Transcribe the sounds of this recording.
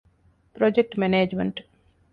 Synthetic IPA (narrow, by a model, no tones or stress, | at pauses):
pɾod͡ʒek̚ʈmeneːd͡ʒmeɳʈ